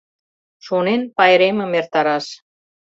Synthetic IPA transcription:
ʃunenpɑjɾemɘ̆mert̪ɑɾɑʃ

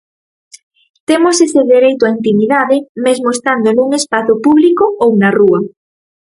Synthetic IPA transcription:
t̪emoseseðeɾejt̪oaint̪imiðaðemezmoest̪and̪onuŋespaθopuβlikoownaruɐ

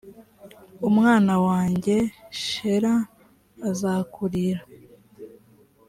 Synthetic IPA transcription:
umŋaːnawaːɲɟe̞ʃeɾaː | zaːkʰuɾiɾa

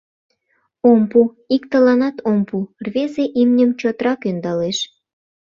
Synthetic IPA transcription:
ompu | ikt̪əlɑnɑt̪ompurβezeʔimnʲəmt͡ɕot̪ɾɑkynd̪ɑleʃ

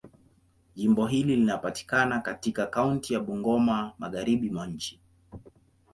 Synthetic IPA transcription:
ʄimbɔɦililinapati̥kanakatikakauntijaɓuŋɡɔmamaɣaɾiɓimwaɲ̩t͡ʃi̥

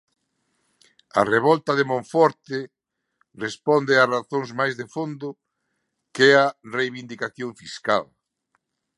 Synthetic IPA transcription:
ɐ̰reβɔlt̪ɐðemõɱfɔɾt̪ɪ | respɔnd̪ɪaraθoŋzmajzðefond̪ʊ | kearejβind̪ikaθjoɱfiska̰l

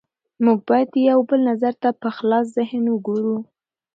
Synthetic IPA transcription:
muɡ̚bɑjad̪jawbəlnazaɾt̪apəxlɑs̬zɪhnwəɡoɾu

